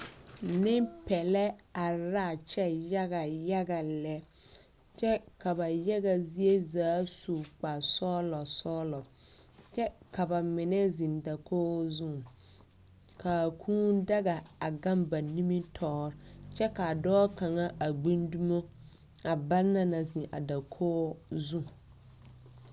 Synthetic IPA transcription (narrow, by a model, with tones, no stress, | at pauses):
nɪ˦pɛ˨lɛ˦a˨ɾa˦˨t͡ʃɛ˦ja˦ɡa˨ja˦ɡa˨lɛ˦ | t͡ʃɛ˦ka˨ba˨ja˦ɡa˨zi˦e˦zaː˨˦su˨k͡pa˨sɔ˦lɔ˨sɔː˦lɔ˨t͡ʃɛ˦ka˨ba˨mɪ˨nɛ˦zɪ˨nda˨kʰo˦zũ˦˨ | kʰa˨kʰũː˦da˦ɡa˨a˨ɡã˦mba˨ni˦mi˦tʰɔː˦ɾt͡ʃɛ˦ka˨dɔː˦ka˨ŋa˦ʔa˨ɡ͡bi˦ndu˦mo˦ | a˨ba˦lna˦na˨zĩ˨ʔa˨da˨kʰoː˦zu˦